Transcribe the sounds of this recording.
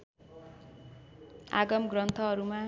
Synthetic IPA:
a̰ɡʌmɡrʌnt̪ʰʌɦʌɾuma

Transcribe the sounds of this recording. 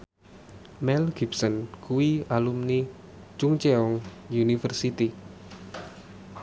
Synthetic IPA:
mɛlɡ̥ibsənkuwialumni | t͡ʃuŋt͡ʃeɔŋjunifərsit̪i

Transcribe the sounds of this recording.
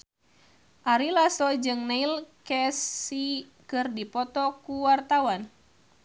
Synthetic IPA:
ʔaɾilasɔd͡ʒɨŋnailkɛsi | kɨrdipɔt̪ɔkuwart̪awan

